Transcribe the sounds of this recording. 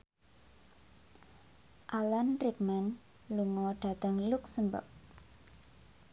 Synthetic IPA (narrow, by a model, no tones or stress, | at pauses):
ʔalanrik̚man | luŋɔɖ̥a̤t̪əŋluksəmbə̰k̚